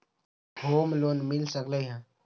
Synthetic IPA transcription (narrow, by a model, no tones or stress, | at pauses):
ɡʱoːmloːnmilsəkləjɦãː